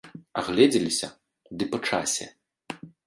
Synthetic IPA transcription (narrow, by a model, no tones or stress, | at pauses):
aɣlʲɛd͡zʲɛlʲisʲɐ | d̪ɨpɐt͡ʂa̰sʲɛ̰